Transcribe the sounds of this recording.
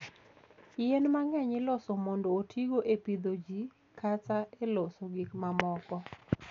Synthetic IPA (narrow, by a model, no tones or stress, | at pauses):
jenmaŋɛɲɪlɔsomɔndoːtʰiɡoʔepid̪od͡ʒi | kʰat͡saelosoɡikmamɔkɔ